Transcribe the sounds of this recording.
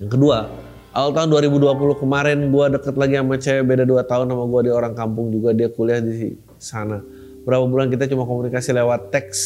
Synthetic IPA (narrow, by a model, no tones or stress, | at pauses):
jaŋkədua | ʔawalt̪aɦʊnduaɾibuduapulʊhkəmaɾɛnɡuadəkət̪̚laɡiamat͡ʃabedaduat̪aʊnːamaɡuadioɾaŋkampʊŋd͡ʒuɡadiakuliahdisḭ | sana | bəɾapabulankit̪at͡ʃumakomunikasilewat̪ːɛks